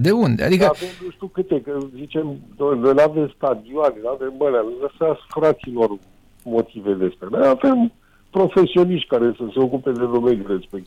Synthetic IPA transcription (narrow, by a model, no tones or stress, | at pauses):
d̪e̞und̪ea̰d̪ikkəavemnuʃt̪ukɨt̪ekəzit͡ʃe̞mnonojnave̞mst̪ad̪ioanelavemːəneanozəseasfɾat̪silo̞r | mo̞t̪ʰived̪espɾanojave̞m | pɾo̞fe̞sio̞niʃt̪̚ʲkaɾe̞səse̞o̞kupe̞d̪e̞ɾomelʲuɾespek̚